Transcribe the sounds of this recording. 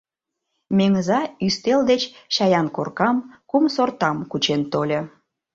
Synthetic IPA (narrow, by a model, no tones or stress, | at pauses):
meŋəzɑyst̪eld̪et͡ɕʃɑjɑnkorkɑmkumsort̪ɑmkut͡ɕent̪olʲe